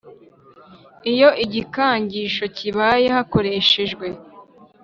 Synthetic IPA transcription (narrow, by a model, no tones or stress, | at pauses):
ijo̞ʔiɟikaːɲɟiːʃo̞ciβaːjehako̞ɾe̞ʃe̞ʒɡwe̞